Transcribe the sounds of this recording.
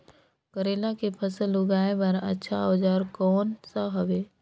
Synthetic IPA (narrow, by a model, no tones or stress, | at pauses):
kəɾeːlakepʰəsəlʊɡaːepɐɾə̰tːʃʰaoːd͡ʒaːɾkɔːnsaɦɐʋeː